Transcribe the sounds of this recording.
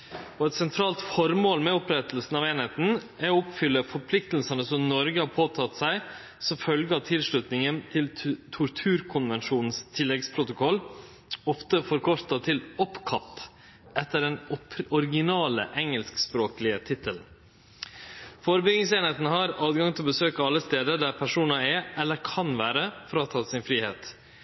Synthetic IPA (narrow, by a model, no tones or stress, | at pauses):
ɔɛt̪sɛnt̪ʰɾɑːlt̪fɔɾmoːlmɛʊpɾɛt̪əlsn̩ɑʋeːnheːt̪n̩ | æɾɔɔpfʏlːəfɔɾpʰlɪkt̪l̩sɑnəsɔmnɔɾɡəhɑɾpʰoːt̪ʰɑt̪sæɪ | sɔmfœlɡəɑt̪ʰɪlʂɭʉt̪nɪŋənt̪ʰɪlt̪ʰʊɾt̪ʰʉːɾkʰʊnʋɛnʂuːnn̩st̪ʰɪlːɛɡspʰɾʊt̪ʊkʰɔlː | ɔft̪əfɔɾkʰɔɾt̪ɑt̪ʰɪlɔpkʰɑt̪ː | ʔɛt̪ːəɖɛnɔpɔɾɡɪnɑːlə̰ʔɛŋəlskspɾoːklɪət̪ʰɪt̪əln̩ | foːɾəbʏɡnɪŋseːnheːt̪n̩əɦɑɾɑːd̪ɡɑŋt̪ʰɪlɔbəsøːkɑɑlːəst̪eːd̪əɾɖ̪æɾpʰæʂuːnɑɛʔɛlːəɾkʰɑnʋæːɾəfɔɾɑt̪ʰɑːt̪sɪnfɾiːheːt̪